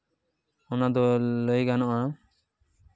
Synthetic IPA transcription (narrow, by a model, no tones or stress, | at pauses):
ɔnad̪ɔləjɡanɔʔa